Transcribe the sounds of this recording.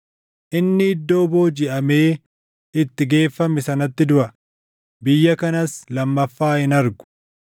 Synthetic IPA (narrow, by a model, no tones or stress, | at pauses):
ʔɪnːɪhɪd̪ːo̞ːbo̞ːd͡ʒɪʔɐme̞ː | ɪt̪ːɪɡe̞ːfːɐmɪsɐnɐt̪ːɪd̪ʊʔɐ | bɪjːɐkɐnɐslɐmːɐfːaːhɪnɐɾɡʊ̥